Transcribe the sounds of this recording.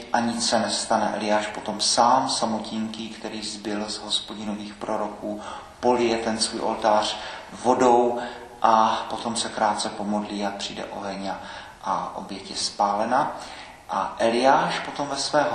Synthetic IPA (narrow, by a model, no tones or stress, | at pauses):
ʔaɲɪt͡ssɛnɛst̪anɛʔɛ̰lɪjaːʃpot̪o̞msaːmsamociŋkiːkt̪ɛɾiːzbɪlzɦo̞spo̞ɟɪno̞viːxpɾoɾo̞kuː | po̞lɪjɛt̪ɛnsvuːjʔo̰lt̪aːr̝̥vo̞do̞w | ʔapo̞t̪o̞msɛkɾaːt̪̚t͡sɛpo̞mo̞dliːapr̥ḭːdɛ̰ʔo̞ɦɛɲa | ʔaʔo̰bjɛcjɛspaːlɛna | ʔa̰ʔɛlɪjaːʃpo̞t̪o̞mvɛsvɛːɦ